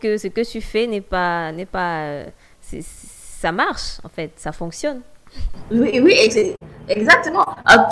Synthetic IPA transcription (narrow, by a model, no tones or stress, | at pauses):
kəsəkət̪yfɛnɛpanɛpaø̰ | sɛ̰ssamaʁʃɑ̰̃fɛt̪safɔ̃ksjɔn | wiwiesɛɛɡzak̚t̪əmɑ̃ak